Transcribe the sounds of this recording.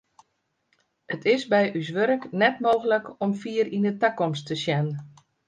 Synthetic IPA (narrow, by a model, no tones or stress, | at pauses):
ətʰɪsbɛjʔys̬ʋøɾəknɛtmoːɣələkɔmfiəɾindətakɔmstəsjɛnə